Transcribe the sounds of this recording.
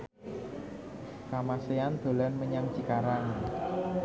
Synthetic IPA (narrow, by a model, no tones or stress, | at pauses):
kamaseand̪̥o̤lanməɲaŋt͡ʃikaɾaŋ